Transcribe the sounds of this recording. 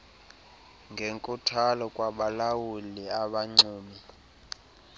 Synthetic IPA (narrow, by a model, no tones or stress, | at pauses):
ŋɡʱeŋkʼutʰalɔkʼwaɓalawuliaɓaŋ͡ǀuːmi